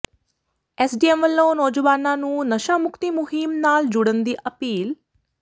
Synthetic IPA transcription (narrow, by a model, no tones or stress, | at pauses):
ɛːsɖiːɛmʋəlːõːnɔːd͡ʒʋaːnãːnũːnəʃaːmʊkt̪iːmʊɦimnaːld͡ʒʊɽənd̪iːʔəpiːl